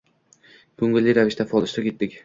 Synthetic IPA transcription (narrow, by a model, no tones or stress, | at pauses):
kɵŋɡɪlʲːɪjɾavɪʃt̪ʰafɒlˠɪʃt̪ɾakʲe̞t̪ːɪkʲ